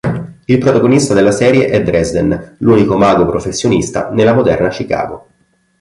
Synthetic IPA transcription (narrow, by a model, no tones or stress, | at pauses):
ilpɾot̪aɡonist̪ad̪elːasɛːɾjeʔɛd̪ɾɛzd̪enluːnikomaːɡopɾofesːjonist̪a̰nelːamod̪ɛ̰rnat͡ʃika̰ːɡo